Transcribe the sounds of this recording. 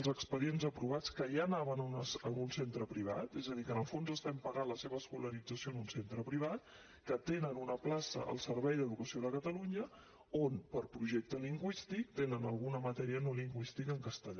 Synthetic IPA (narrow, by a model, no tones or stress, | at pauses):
lˠzəkspəðienzəpɾuβ̞at͡skəʒanaβənnəəmunsent̪ɾəpɾiβ̞a̰t̪ezəðikənəlˠfonzəst̪ɛmpəɣanləseβəːskuləɾid͡zəsionunsent̪ɾəpɾiβ̞at̪̚ | kət̪enənunəplasə̰ə̰lˠsəɾβɛjd̪əðukəsioðəkət̪əluɲə | onpəɾpɾuʒɛk̚t̪əliŋɡwist̪ik̚t̪enənəlˠɣunəmət̪ɛɾiənoliŋɡwist̪ikəŋkəst̪əʎa